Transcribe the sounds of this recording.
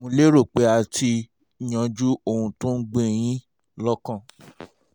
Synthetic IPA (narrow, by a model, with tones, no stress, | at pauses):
ũ˧le˦ɾo˦˨k͡pe˨˧˦a˨tʰi˧˨ | j̃ã˧d͡ʒu˦o˧˨hũ˧tõ˦n̩˦ɡ͡bẽ˦˨j̃ĩ˦ | lɔ˦kã˦˨